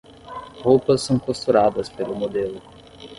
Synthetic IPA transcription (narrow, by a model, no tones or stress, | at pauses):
howpɐsːɐ̃w̃kost̪uɾad̪ɐspelʊmod̪elʊ